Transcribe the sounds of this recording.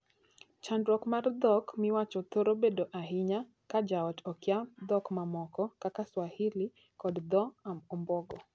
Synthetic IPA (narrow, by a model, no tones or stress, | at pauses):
t͡ʃandɾɔkmaɾd̪ɔkmiwat͡ʃɔt̪ɔɾɔbɛdɔʔaɦiɲa | kad͡ʒaɔtɔkjad̪ɔkmamɔkɔkakaswahili | kɔdd̪ɔamɔmbɔɡɔ